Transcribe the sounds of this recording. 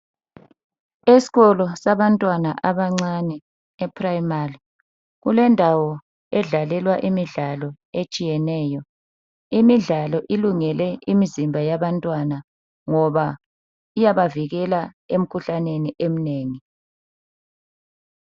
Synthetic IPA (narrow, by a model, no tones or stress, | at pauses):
esi̥ɣɔlɔsaβantʼwanaʔaβaŋ͡ǀanɛː | pʰʼrajmari | ɣulɛndʱawɔ | ɛɮalɛlwaʔimiɮalɔ | et͡ʃʼijɛnɛːjɔ | imiɮalɔʔiluŋɛlɛimizimbʱajaβantʼwana | ŋɔβa | ijaβaviɣɛla | em̩kʰuɬaneniʔem̩neːŋi